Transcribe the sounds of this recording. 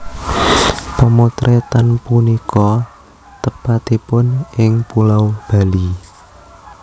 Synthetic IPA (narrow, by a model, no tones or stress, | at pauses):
pəmot̪ɾʔet̪anpunikʰɔ | t̪əpat̪ipʊnʔɪŋpulawb̥a̤li